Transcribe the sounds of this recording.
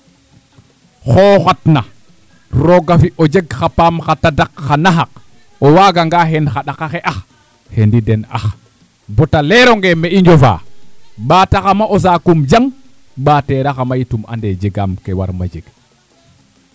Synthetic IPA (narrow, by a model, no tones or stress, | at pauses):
xɔːxatna | ɾɔɡafiʔɔd͡ʒeɡxapamxatadakːanaɦak | ɔwaːɡaŋɡaɦɛnxaɗakaxɛʔax | hendidɛna̰x | bɔtalɛɾɔŋɡɛmɛiɲd͡ʒɔfa̰ɓaːtaxamaʔɔs̬akumd͡ʒaŋ | ɓatɛɾaxamajituma̰ndɛd͡ʒɛɡamkɛwa̰ɾma̰d͡ʒeɡ̥